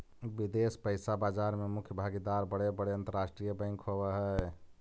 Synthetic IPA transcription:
bid̪espəɪsabad͡ʒaɾmemukʰjəbʱaɡid̪aɾbəɽebəɽeənt̪əɾasʈɾijəbə̃ɪŋkʰɦobɛɦɛ

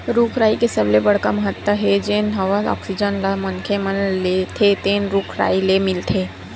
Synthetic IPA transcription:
ɾuːkʰɾaːikesəblebɐɽkaməɦət̪ːaɦɛd͡ʒenɦɐʋalɔ̰ːksid͡ʒənlamənkʰemənlet̪ʰet̪eːnɾuːkʰɾa̰ːilemɪlt̪ʰeː

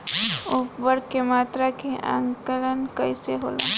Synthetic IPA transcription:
ʊpbəɽkemaːt̪ɾakeʔã̰ŋkələnkəiseɦoːlã̰ː

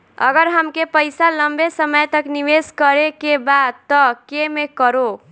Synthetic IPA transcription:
ə̰ɡəɾɦəmkepəjsaləmbesəməjt̪əkniʋeskəɾekebad̪̚t̪ɔkemekəɾo

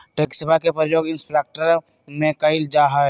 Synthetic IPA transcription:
ʈeːksəbʱakepɾəjoːɡɪ̃nsʈɾaːk̚ʈəɾ | mẽkaɪld͡ʒaːɦa

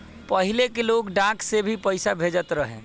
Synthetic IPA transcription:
pəɦilekeloɡɖãksebʱipəɪsabʱed͡ʒət̪ɾəɦɛ̃

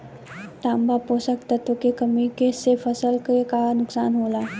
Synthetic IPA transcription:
ʈãmbaposəkt̪ət̪okekəmikesefəsəlkekanuksanɦola

